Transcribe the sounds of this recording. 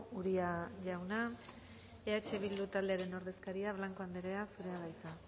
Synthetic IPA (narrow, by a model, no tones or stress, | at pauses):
uɾiaʝawna | e̞at͡ʃe̞β̞ild̪ut̪ald̪e̞aɾe̞no̞ɾðe̞skaɾiaβlaŋko̞and̪eɾe̞asuɾe̞aβajt͡sa